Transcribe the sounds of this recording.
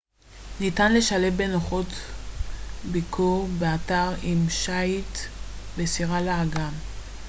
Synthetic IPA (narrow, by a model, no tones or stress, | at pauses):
nitanle̞ʃale̞fbe̞noχo̞t | bikʰuʁbeataʁimʃajtbesiʁalaːɡam